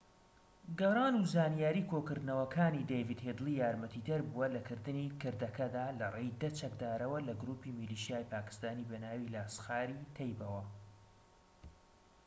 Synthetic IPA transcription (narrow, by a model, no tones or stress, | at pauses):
ɡɐrˤɑːnuzaːnijaːɾiːkʰoːkɨɾd̪nɐwɐkʰaːnid̪ejvid̪heːd̪ɨlˠijaːɾmɐt̪ʰid̪ɐɾbuɐlɐkɨɾd̪ɨniːkɨɾd̪ɐkɐd̪aːlɐrejd̪ɐt͡ʃɐk̚d̪aːɾɐwɐlɐɡɾuːpimiliːʃijaːjpaːkɨ̥st̪aːniːbɐnaːwilasxaːɾiːt̪ʰɛjbɐwɐ